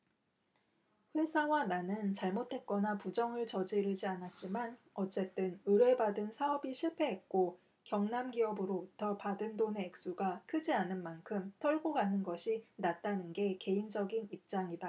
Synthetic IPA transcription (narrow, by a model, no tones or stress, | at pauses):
ɸwe̞sʰawananɯnt͡ɕaɭmotʰe̞t̚k͈ʌnapud͡ʑʌŋɯɭt͡ɕʌd͡ʑiɾɯd͡ʑianat̚t͡ɕ͈iman | ʌt͡ɕ͈e̞t͈ɯnɯɾe̞badɯnsʰaʌbiɕʰiɭpʰe̞ɦet̚k͈o | kjʌŋnamɡiʌbɯɾobutʰʌpadɯndone̞ːk̚s͈uɡakʰɯd͡ʑianɯnmankʰɯmtʰʌɭɡoɡanɯnɡʌɕʰinat̚t͈anɯnɡe̞ke̞ind͡ʑʌɡinip̚t͡ɕ͈aŋida